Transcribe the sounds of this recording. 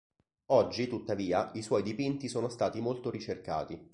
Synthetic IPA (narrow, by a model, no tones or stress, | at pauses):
ɔd͡ʒːit̪ut̪ːaviːaʔiswɔjd̪ipint̪isoːnost̪aːt̪imolt̪oɾit͡ʃerka̰ːt̪i